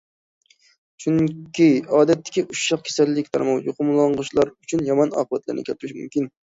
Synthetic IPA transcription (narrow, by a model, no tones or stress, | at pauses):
t͡ʃʰuŋkʲʰiɑːd̪ɛt̪ʰːɪ̥kʲʰiʔuʃːɑq̚kʲʰe̥sɛlːɪkʲt̪ʰɑɾmɑwjoqʰʊmlˠɑɴʁʊʃlˠɑɾyt͡ʃʰynjɑmɑnɑ̰ːqʰəbɛt̪læ̰ɾnɪ̰kʲʰɛlt̪ʰɾɪʃmṵmkʲin